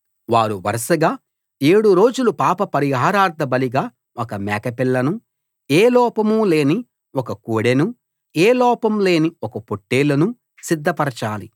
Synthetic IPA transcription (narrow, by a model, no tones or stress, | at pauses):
ʋaːɾuʋɐ̰ɾɐʂɐɡaː | eːɽuɾo̞ːd͡ʒulupaːpɐpɐɾiɦaːɾaːɾd̪ʱɐbɐliɡaː | ɔkɐmɛːkɐpiɭːɐnu | eːlɔːpɐmuːle̞ːni | ɔkɐkuːɽenu | eːlɔːpɐmle̞ːniɔkɐpoʈːe̞ːlɐnu | sid̪ʱːɐpɐɾɐt͡ʃaːli